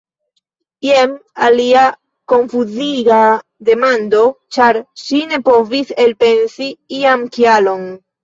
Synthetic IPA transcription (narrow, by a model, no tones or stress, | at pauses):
jemalia | ko̞ɱfuziɡad̪e̞mand̪o̞t͡ʃaɾʃine̞po̞vise̞lpe̞nsiiamkjalo̞n